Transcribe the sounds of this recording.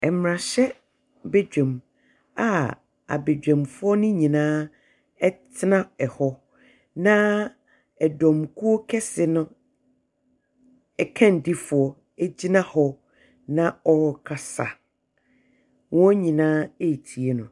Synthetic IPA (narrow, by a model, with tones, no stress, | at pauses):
ɛ˨m˨ɾã˨ɕɛ˦ | be˦d͡ʑᶣɛ̃˨m | a˨ | a̰˨be˨d͡ʑᶣɛ̃˨mfʊ˦ɔ˦nʊ̃˦ɲĩ˨nãː˦ | ɛ˦tʰɪ˦nã˦ɛ˨hɔ˦ | nã˦ | ɛ˨dɔ̃˨mkʰu˦ɔ˦kʰɛ˦sɪ˨nʊ̃˦ | ɛ˨kʰã˦n˨di˦fʊ˨ɔ˨ | e˦d͡ʑi˦nã˦hɔ˦˨ | nã˦ɔ˦ɾɔ˨kʰa˨sa̰˨ | wɔ̃˦ɲĩ˨nãː˦e˦˨tʰi˨e˦nʊ̃˨